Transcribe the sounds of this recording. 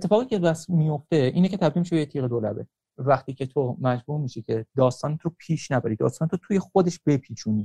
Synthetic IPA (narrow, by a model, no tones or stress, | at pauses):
et̪ʰːe̞fɒːɣiːcʰebæsmijo̞ft̪e̞iːnecʰe̞t̪ʰæbd̪iːlmiʃeejet̪ʰiːɣed̪olæ̰be̞̰ | væχt̪iːcʰe̞t̪ʰomæd͡ʒbuːɾmiːʃicʰe̞d̪ɒːst̪ɒːnet̪ʰɾopʰiːʃnæbæɾid̪ɒ̰st̪ɒːnet̪ʰot̪ʰuːje̞xod̪eʃb̥e̞pʰiːt͡ʃʰuniː